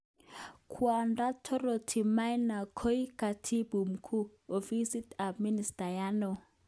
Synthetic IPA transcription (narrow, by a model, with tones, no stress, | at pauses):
kʰwa˨nda˦tʰɔ˦ro˨tʰi˨ma˦jna˨kʰo˦i˦ka˨tʰi˦bu˨m̩˨kʰu˦ | o˨vi˦si˦ta˨mi˦ni˨stʼa˨jaː˦nɔ˨